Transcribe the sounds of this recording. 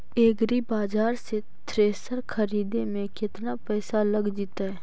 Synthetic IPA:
eːɡɾibaːd͡ʒaːɾse | t̪ʰɾeːsəɾkʰɐɾiːd̪emẽkɪt̪napɛːsalɐɡd͡ʒit̪aɦɛː

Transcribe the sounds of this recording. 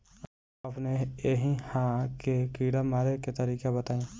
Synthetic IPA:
ɐpneeɦĩhãːkekiːɽamaːɾeket̪ɐɾiːkebɐt̪aːĩ

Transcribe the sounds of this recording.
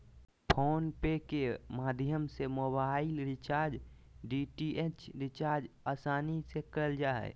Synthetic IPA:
pʰoːnpekemaːd̪ʱjəmsemoːbaːɪlɾɪt͡ʃaːɾd͡ʒ | ɖiːʈiʔet͡ʃɾɪt͡ʃaːɾd͡ʒaːsaːnisekəld͡ʒaːɛ̰

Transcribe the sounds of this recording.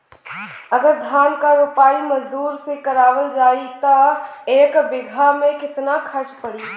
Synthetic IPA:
əɡəɾd̪ʱjaːnkaɾʊpaːimɐd͡ʒd̪uːɾsekəɾaːʋəld͡ʒaːit̪əeːkbɪɡʱamẽkɪt̪nakʰət͡ʃpəɽi

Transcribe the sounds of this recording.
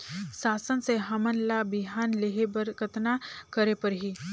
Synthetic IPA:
sasənseɦəmənlabiɦanleɦebəɾkət̪nakəɾepəɾɦi

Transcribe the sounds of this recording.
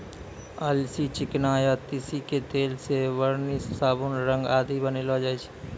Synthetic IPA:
əlsit͡ʃɪknaːjat̪ɪsiket̪eːlseʋəɾnissaːbunɾə̃ŋɡaːd̪ibənelod͡ʒaːit͡ʃʰ

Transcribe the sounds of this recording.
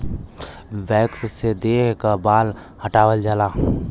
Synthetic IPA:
ʋɛːkssed̪eːkabaːl | həʈaːwəld͡ʒaːlaː

